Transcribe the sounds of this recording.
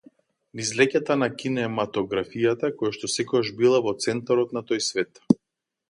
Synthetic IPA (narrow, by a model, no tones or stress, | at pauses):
nizlɛcat̪anakʲinɛmat̪ɔɡɾafijat̪akɔjaʃt̪ɔsɛkɔɡaʒbilˠavɔt̪sɛnt̪aɾɔt̪nat̪ɔjsvɛt̪